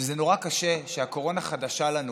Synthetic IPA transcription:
ezeno̞ʁakaʃe̞ʃeako̞ʁo̞naχadaʃalanu

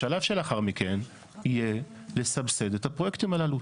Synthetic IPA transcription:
alavʃelaχaʁmike̞n | ije | le̞sabse̞d̪et̪apo̞je̞kt̪imalalu

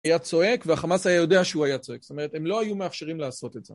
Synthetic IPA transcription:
jat͡so̞e̞kveaχamasajajo̞de̞aʃeuajat͡soe̞ksot̪oeʁ̞et̪emlo̞ajumeafʃeʁimleaːso̞t̪etze

